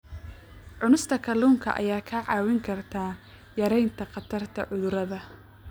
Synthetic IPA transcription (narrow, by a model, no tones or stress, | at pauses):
ʕʊnʊst̪ʰɐkʰɐluːŋkʰɐ̰ʔɐ̰jaːkʰaːʕɑːwɪŋkʰɐrt̪ʰaː | jɐɾɛjnt̪ʰɐqɑt̪ʰɐrt̪ʰɐ̰ʕʊðʊɾɐðɐ